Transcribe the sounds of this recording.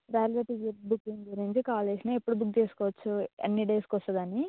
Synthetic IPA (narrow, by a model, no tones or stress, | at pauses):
ɾaːlɾeʈiɡibukːiŋɡuɾiɲt͡ʃikaːleːsinɐepːuɽubukt͡ʃeːsu̥kɔːʋɐt͡ʃːuḛnːiɖeːskɔst̪ɐd̪ɐni